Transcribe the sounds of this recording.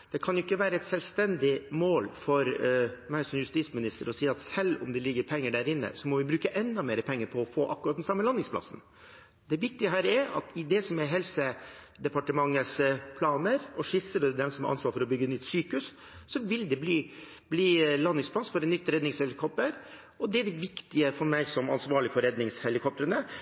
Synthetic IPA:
d̪̥ɛkʰɑnjʊɪkːəʋæːɾəɛt̪sɛlst̪ɛnd̪ɪmoːlfɔɾmæɪsɔmjʉst̪iːsmɪnɪst̪əɾɔsiːɑt̪sɛlːʊ̰md̪ɛlɪɡːəɾpʰɛŋːəɖæːɾɪnːə̰sɔmɔʋɪbɾʉːkəʔɛnd̪ɑmeːɾəpʰɛŋːəɾpʰɔːfoːʔɑ̰kːʉɾɑt̪̚d̪ɛnsɑmːəlɑnɪŋspʰlɑ̰sn̩ | d̪ɛʋɪk̚t̪ɪəɦæːɾɛɾɑ̰t̪ɪd̪ɛsɔmɛɦɛlsə | d̪ɛpɑʈəmɑŋːəspʰlɑːnəɾɔʂɪsəɖɛd̪ɛmsɔmɛʔɑ̰nsʋɑːɾfɔɾɔbʏɡːəɛnnʏt̪syːkʉs | sɔʋɪld̪ɛbliː | bliːlɑnːɪŋsplɑsfɔɾɛnnʏt̪ːɾɛd̪ɪŋshɛlɪkʰɔpt̪əɾ | ɔd̪ɛɖɛʋɪkt̪ɪəfɔɾmæɪsɔmɑ̰nsʋɑːɾɭɪfɔɾɛd̪nɪŋshɛlɪkʰɔp̚t̪əɾənə

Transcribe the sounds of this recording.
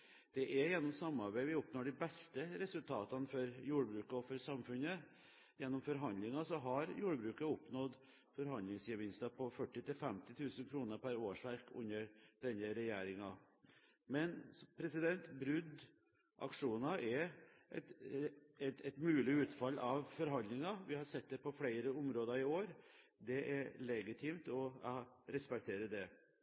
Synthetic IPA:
d̪̥ɛʔɛjɛnːɔmsɑmːɑɾbæɪʋɪʊpnoːɖɪbɛst̪əɾɛsʉlt̪ʰɑːt̪ɑnfɔɾjuːɖəbɾʉːkɔfɔɾsɑmfʉnə | jɛnːɔmfɔɾɦɑnd̪lɪŋɑsɔɦɑɾjuːɖəbɾʉːkəʊpnɔd̪ | fɔɾɦɑnd̪lɪŋsjəʋɪnst̪ɑpʰɔfœʈːɪt̪ʰɪlfɛmt̪ɪt̪ʰʉːsənkʰɾuːnəɾpʰæɾoːʂʋæɾkʉ̰nːəɖ̪̥ɛnːəɾɛjeːɾɪŋɑ | mɛnpʰɾɛsɪd̪ɛnt̪bɾʉd̪ | ʔɑ̰kʂuːnɑʔɛʔɛt̪ | ɛt̪ɛt̪mʉːlɪʉːt̪fɑlːɑʋfɔɾɦɑnd̪lɪŋɑʋɪhɑɾsɛt̪̚ːd̪ɛpɔfɽæɪɾəʊmɾoːd̪ɑɾɪoːɾ | d̪ɛʔɛɾɭɛɡɪt̪ʰɪmt̪ɔɾɛspɛk̚t̪ʰeːɾəd̪ɛ

